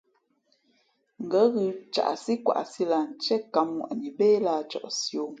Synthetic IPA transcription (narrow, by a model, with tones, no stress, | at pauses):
ŋ̩˨ɡə˨˦ɣɯ˨t͡ʃa̰˨ʔsi˦kwa̰˨ʔsi˦la˨n̩˨t͡ʃɛ˦ka˨mːwa̰˨ʔɲi˨beː˦la˦t͡ʃɔ̰˨ʔsjo˨˦